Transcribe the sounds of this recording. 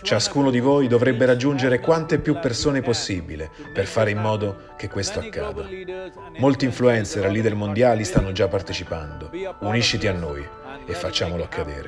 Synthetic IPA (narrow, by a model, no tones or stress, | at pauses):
t͡ʃaskuːnod̪ivoːjd̪ovɾɛbːeɾad͡ʒːund͡ʒeɾekwant̪epːjupːersoːneposːibile | perfaːɾeimːɔːd̪o | k̟ekːwest̪oakːa̰ːd̪a | molt̪iːɱfluɛnt̪serlid̪elmond̪jaːlist̪anːod͡ʒapːart̪et͡ʃipand̪ouniʃːit̪ianːoj | efːat͡ʃːaːmoloakʰːad̪ḛːɾe